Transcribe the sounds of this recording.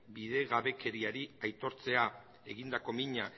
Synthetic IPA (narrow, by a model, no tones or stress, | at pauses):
biðe̞ɣaβe̞ke̞ɾiaɾiajt̪o̞ɾt͡se̞a | e̞ɣind̪ako̞miɲa